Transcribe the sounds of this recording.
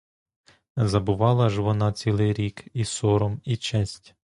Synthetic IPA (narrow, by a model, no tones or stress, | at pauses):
zɐbʊʋɑlˠɐʒʋɔnɑt͡sʲilˠɪjɾʲikisɔɾɔmit͡ʃɛsʲtʲ